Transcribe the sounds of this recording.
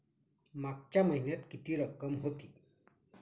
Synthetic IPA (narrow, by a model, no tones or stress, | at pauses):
maɡ̚t͡ɕjaməɦinjət̪kit̪iːɾəkːəmɦot̪iː